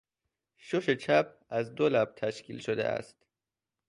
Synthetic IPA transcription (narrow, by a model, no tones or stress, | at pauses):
ʃoʃe̞t͡ʃʰæp̚ʰ | æzd̪olæb̚t̪ʰæʃkʰḭlʃod̪ḛʔæ̰st̪